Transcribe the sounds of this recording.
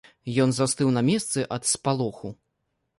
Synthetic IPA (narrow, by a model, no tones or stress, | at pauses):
jɔnzast̪ɨwnɐmʲɛst̪sɨʔɐt̪spalˠɔxu